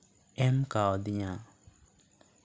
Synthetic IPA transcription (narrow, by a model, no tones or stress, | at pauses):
ɛmkaɔdɪɲa